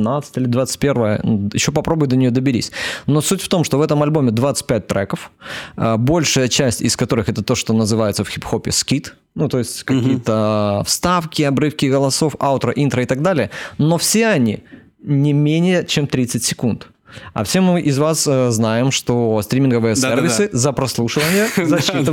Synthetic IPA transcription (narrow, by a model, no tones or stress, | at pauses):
nat̪sɨ̥tʲilʲɪd̪vat̪sɨ̥t̚ʲpʲe̞rvəjə̰jɪɕːopɐpɾo̞bʊjʊd̪ənʲɪjod̪əbʲɪɾʲḭsʲno̞sutʲft̪o̞mʂt̪ovɛt̪əmɐlʲbo̞mʲɪd̪vat̪sɨ̥t̚ʲpʲæt̚ʲt̪ɾɛkəfəbo̞lʲʂɨjət͡ɕæsʲtʲɪ̰skɐt̪o̞ɾɨxɛt̪ət̪o̞ʂt̪o̞nəzɨvajɪt̪səfxʲipxo̞pʲɪskʲit̪ | nut̪o̞jɪsʲtʲkɐkʲijət̪əfst̪afkʲɪɐbɾɨfkʲɪɡəlˠɐso̞fat̪ɾəʔint̪ɾəɪt̪ɐɡd̪alʲɪjəno̞fsʲeɐnʲḭ | nʲɪmʲenʲɪjət͡ɕemt̪ɾʲit̪sɨtʲsʲɪ̥kunt̪ | ɐ̰fsʲe̞mɨʔɪzvasəznajɪmʂt̪ost̪ɾʲimʲɪnɡəvɨjəservʲɪsɨzəpɾɐslˠuʂɨvənʲɪjəzɐit̪